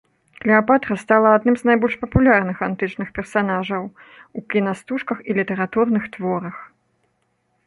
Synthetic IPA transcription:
klʲiapat̪ɾɐst̪alˠɐad̪nɨmznajbɔlʲʂpɐpulʲarnɨxant̪ɨt͡ʂnɨxpʲɛrsanaʐɐw | ukʲinast̪uʂkɐxilʲit̪ɛɾat̪urnɨxt̪vɔɾɐx

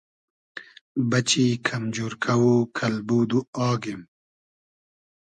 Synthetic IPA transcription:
bɐt͡ɕikʰɐmd͡ʒuːɾkʰɐwukʰɐlbuːd̪uɑːɡim

